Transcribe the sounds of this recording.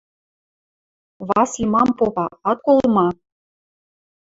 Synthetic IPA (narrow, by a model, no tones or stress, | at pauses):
βɑsimɑmpopɑɑt̪̚kolˠmɑ